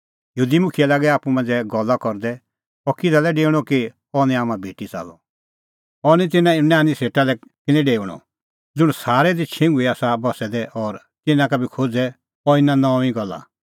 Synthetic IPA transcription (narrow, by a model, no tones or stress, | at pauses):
jɦuːd̪imʊkʰijɛlaːɡɛaːpumãnd͡zɛɡɔlakɔɾd̪ɛ | ɔkɪd͡zalɛɖeːɽ̃ɔki | ɔnɛ̃aːmãbʱeːʈit͡sa̰ːlɔ | ɔnĩt̪ɪnãnãːnĩseːʈalɛkɪnɛ̃ɖeːuɽ̃ɔ̰ | d͡zʊɽ̃saːɾɛd̪it͡ʃʰɪ̃ŋɡʊiaːsabɔsɛd̪ɛʔɔɾ | t̪ɪnãkabʱikʰod͡zɛ | ɔɪnãnɔ̃ĩɡɔlːa̰